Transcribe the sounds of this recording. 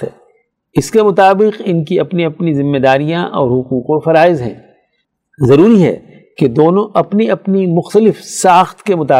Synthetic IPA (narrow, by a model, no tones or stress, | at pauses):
ɛ | ɪskemʊt̪aːbɪqɪnkiɐpniɐpnizɪmːed̪aːɾijãʔɔ̰ːɾɦʊquːqofɐɾaːɪzɦɛ̰̃ː | zɐɾuːɾiɦɛ̰ | ked̪oːnõʔɐpniɐpnimʊxt̪əlɪfsaːxt̪kemʊt̪aː